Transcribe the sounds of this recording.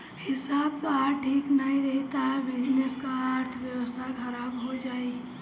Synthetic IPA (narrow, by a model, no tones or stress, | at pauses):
hɪsaːb̚t̪oaɾʈʰiːknəĩɾəɦit̪aɦɛbɪd͡ʒneskaːɾt̪ʰbjəwəst̪ʰakʰəɾabɦod͡ʒaːi